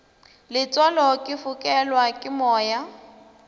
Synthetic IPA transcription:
lɪt͡sʼɔlɔkʼɪfʊkʼɛlwakʼɪmɔːja

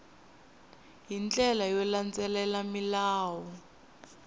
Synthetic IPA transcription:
jint͡ɬɛlajɔlant͡sɛlɛlamilaːwɔ

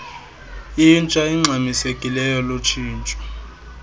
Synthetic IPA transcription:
int͡ʃʼaiŋ͡ǁʱamisekʼilɛjɔlot͡ʃʰiːnt͡ʃʼɔ̥

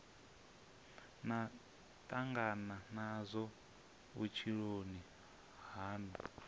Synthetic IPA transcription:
na | tʼaŋɡananazʷɔ | βṵt͡ʃʰiɺoni | ɦaːnṵ

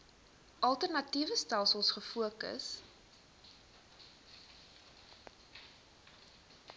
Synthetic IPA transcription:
ʔɐlˠtərnɐtivəstælˠsəlˠsχəfuəkə̰s

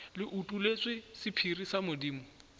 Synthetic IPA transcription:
lɪʔutʼulet͡sɪsɪpʰirisamʊdiːmɔ

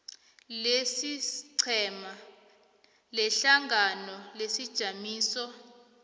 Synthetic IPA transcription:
lesiǀʰɛma | lɛɬaŋɡanɔlesid̥ʒ̥ʱamiːsɔ

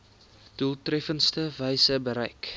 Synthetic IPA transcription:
d̥ulˠtrɛfənstəvɛjsəbəɾɛjk

